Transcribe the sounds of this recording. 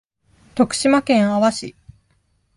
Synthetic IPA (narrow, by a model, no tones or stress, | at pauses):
t̪o̞kɯ̥ɕimakẽ̞ɰ̃aβaɕi